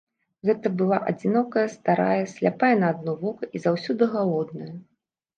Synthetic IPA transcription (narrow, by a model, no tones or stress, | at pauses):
ɣɛt̪ɐbɨlˠaʔɐd͡zʲinɔkɐjɐst̪aɾa̰jɐsʲlʲapajɛnɐːd̪nɔvɔkɐʔizawsʲɔd̪ɨɣalˠɔd̪̚nɐjɐ